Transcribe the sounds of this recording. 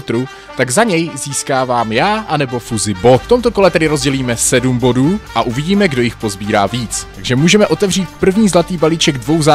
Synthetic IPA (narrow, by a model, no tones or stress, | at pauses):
t̪ɾu | t̪aɡzaɲɛjziːskaːvaːmjaːʔanɛbo̞fuzɪbo̞ft̪o̞mt̪o̞ko̞lɛt̪ɛdɪɾo̞zɟɛliːmɛsɛdumbo̞duːʔaʔuvɪɟiːmɛɡdo̞jɪxpo̞zbiːɾa̰ːviːt͡st̪aɡʒɛmuːʒɛmɛʔo̞t̪ɛvr̝iːt̪pr̩vɲiːzlat̪iːbaliːt͡ʃɛɡdvo̞wza